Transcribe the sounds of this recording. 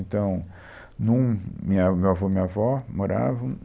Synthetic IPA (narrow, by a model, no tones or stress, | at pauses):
nt̪ɐ̃w̃ | nũmĩɐamewavomĩɲɐvɔmoɾa̰vɐ̃